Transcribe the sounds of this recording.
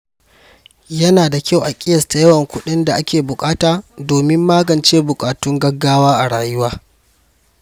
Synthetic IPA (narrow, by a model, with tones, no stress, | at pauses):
jɐ˦naː˨da˨kʲa˦wʔa˨kʲʼɪ˦jɐ˨sta˨jɐ˦wɐ˨ŋkʷʊ˦ɗɪ˦nda˨ʔa˦kʲʰeː˨bʊ˨kʼaː˦taː˨doː˨mɪ˦mːaː˦ɡɐ˨nt͡ʃeː˦bʊ˨kʼaː˨tʊ˦ŋɡɐ˦ɡːaː˦waː˦ʔa˨ɽaː˨jʊ˦waː˦